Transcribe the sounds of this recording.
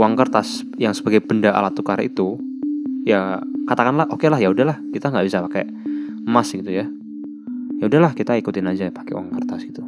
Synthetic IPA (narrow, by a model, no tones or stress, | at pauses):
waŋkərt̪as | jaŋsəbaɡajbəndaʔa̰lat̪ukaɾḭt̪u | jakat̪akanlahʔokelaɦjaudaɦlahkit̪aŋɡaʔbisapakɛ̰ | masɡit̪uja | jaudahlahkit̪aikut̪ɪnad͡ʒajpḁkeṵa̰ŋkərt̪asɡit̪u